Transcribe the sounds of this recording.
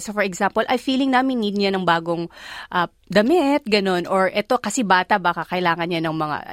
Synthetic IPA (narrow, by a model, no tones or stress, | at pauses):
sofɔɹɛɡsampolʔɐjfiːlɪŋnaːmɪnnːiːd̪̚ɲanɐŋbaːɡoŋʔɐ | d̪ɐmɪt̪̚ɡɐno̞nʔoɹʔɛt̪o̞kɐsɛbaːt̪ɐʔbaːkɐkɐʔɪlaːŋɐnɲanɐŋmɐŋa̰